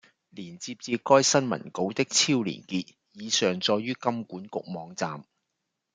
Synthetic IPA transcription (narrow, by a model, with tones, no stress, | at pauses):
liː˨˩nt͡siː˧p̚t͡siː˧kɔː˥jsɐ˥nmɐ̰˨˩nko˨˥wt̪ɪ˥k̚t͡sʰiː˥wlḭː˨˩nkiː˧t̚ | jiː˨˧sœː˨˩ŋt͡sɔː˧jɥyː˥kɐ˥mkuː˨˥nkʊ˨k̚mɔː˨˧ŋt͡sa̰ː˨m